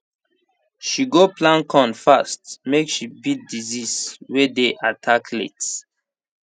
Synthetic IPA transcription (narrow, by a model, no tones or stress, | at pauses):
ʃiɡoplãnkʰɔ̃nfastmekʃibid̚diziswɛdeʔatʰakʰlḛts